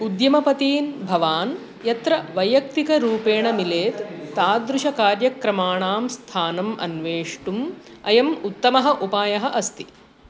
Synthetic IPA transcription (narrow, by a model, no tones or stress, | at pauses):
ud̪jɐmɐpɐt̪iːnbʱɐʋaːn | jɐt̪ɾɐʋɐjɐk̚t̪ikɐɾuːpeːɳɐmileːt̪ːaːd̪ɾuʃɐkaːɾjɐkɾɐmaːɳaːmst̪ʰaːnɐmɐ̰nʋeːʂʈumɐjɐmut̪ːɐmɐɦɐʔupaːjɐɦɐʔɐst̪i̥